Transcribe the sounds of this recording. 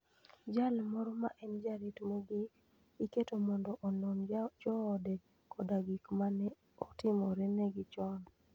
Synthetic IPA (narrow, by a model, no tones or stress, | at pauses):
d͡ʒalmɔɾɔma̰ʔɛnd͡ʒaɾitmeɡi | iketomɔndɔʔɔnond͡ʒɔːdɛ | kːɔdaɡikmanɛ | ɔtɪmɔɾɛnɛɡɪt͡ʃɔn